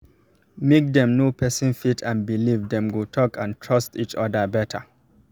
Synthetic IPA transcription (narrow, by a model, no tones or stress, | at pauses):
mek̚d̪ɛ̃mnopʰɛsɪ̃nfitʰãnbilivdɛ̃mɡotʰɔkʰãntʰɹɔstit͡ʃɔdəbɛtʰə